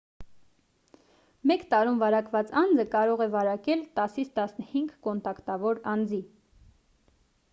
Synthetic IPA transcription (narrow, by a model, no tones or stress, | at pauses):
mɛkt̪ɑɾumvɑɾɑkvɑt͡sɑnd͡zəkɑɾɔʁɛvɑɾɑkɛlt̪ɑsit͡sʰt̪ɑsnəhiŋɡkɔnt̪ɑkt̪ɑvɔɾɑnd͡zi